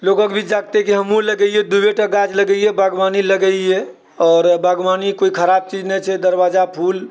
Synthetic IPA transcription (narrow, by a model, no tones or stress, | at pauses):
lokəkbʱid͡ʒaɡ̚t̪ekiɦəmuləɡɛied̪ubeʈaɡad͡ʒləɡɛiebəɡʋaniləɡɛje | ɔːɾbəɡmanikoikʰəɾab̚t͡ʃid͡ʒnɛt͡ʃʰɛd̪əɾbad͡ʒapʰul